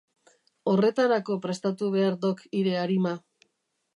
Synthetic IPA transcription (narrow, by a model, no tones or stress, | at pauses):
o̞re̞t̪aɾako̞pɾe̞st̪at̪uβ̞e̞aɾd̪o̞kiɾe̞aɾima